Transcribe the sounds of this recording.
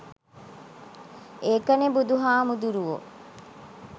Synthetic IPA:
eːkɐnebud̪uɦaːmud̪uɾuʋo̰

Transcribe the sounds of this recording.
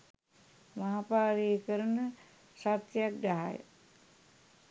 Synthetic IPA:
maɦapaːɾiːkəɾənə | sat̪ːjak̚daɦa̰jə̰

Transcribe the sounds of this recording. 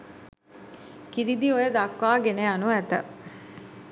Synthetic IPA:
kiɾid̪iojəd̪akʋaːɡeneanuæt̪ə̰

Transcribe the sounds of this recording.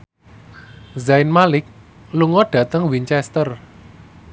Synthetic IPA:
zaɪnmalɪk̚ | luŋɔɖ̥ä̤t̪əŋwiɲt͡ʃɛst̪ər

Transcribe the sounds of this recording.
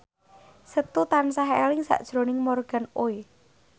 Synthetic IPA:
sət̪ut̪ansaɦelɪŋsa̰ʔd̥ʒ̥ɾonɪŋmorɡ̥a̤noe

